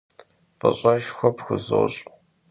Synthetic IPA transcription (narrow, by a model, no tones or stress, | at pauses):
fɐ̰ɕʼɑʃxʷɔpxʷʊzɨ̰ɕʼ